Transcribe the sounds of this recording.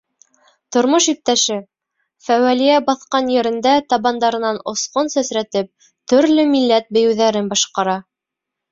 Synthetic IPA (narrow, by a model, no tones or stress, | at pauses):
t̪ŏɾmoʃip̚t̪æʃɘ | fæwælijæbɑθqɑnjɘ̆ɾɘ̆nd̪æt̪ɑβɑnd̪ɑɾɤ̆nɑnŏsqonsæsɾæt̪ɘp̚ | t̪ɵ̆ɾlɵmilːæt̪̚bɘ̆jɘ̆wðæɾɘnbɑʃqɑɾɑ